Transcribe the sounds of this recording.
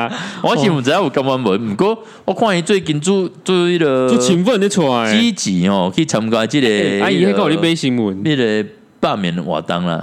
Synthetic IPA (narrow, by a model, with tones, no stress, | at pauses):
wa˦ɕi˧mu˨˩nt͡sa˨˧˦a˦u˨˩ka˧˦mwa˦nbə˨˦nm̩˨˩ko˦ | wa˦kʰw̃ã˥˧˨i˧t͡swe˥˧˨ki˧nt͡su˦t͡su˦i˦ɾə˧t͡su˦t͡ɕʰi˧ŋfə˥˨ne˦t͡sʰɔ˧i˦t͡ɕi˨hɔ˨kʰi˦˧t͡sʰa˧m˧kwa˧˦t͡ɕi˦˧ɾe˧a˦i˧e˦ka˥˨i˨˧e˦ɕi˧ŋmu˨˩˦ni˦˧ɾe˧ | pa˥˧˨mḭ˨˦nwa̰˨˩t̪a̰˦ŋla̰˨